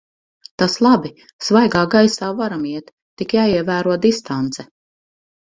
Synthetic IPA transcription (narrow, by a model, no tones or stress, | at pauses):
t̪aslˠabi | svajɡaːɡajsaːvaɾamiɛt̪ːikjaːiɛvæːɾuɔd̪ist̪ant̪sɛ